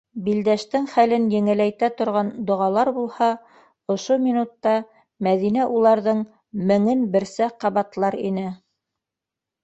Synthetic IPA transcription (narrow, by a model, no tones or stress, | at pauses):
bild̪æʃt̪ɘŋχælɘnjɘ̆ŋɘ̆læjt̪æt̪ŏɾʁɑnd̪ŏʁɑlˠɑɾbulˠhɑ | ŏʃomʲinut̪ːɑ | mæðinæʔulˠɑɾðɤɴ | mɘ̆ŋɘnbɘ̆ɾsæqɑβɑt̪lˠɑɾḭnɘ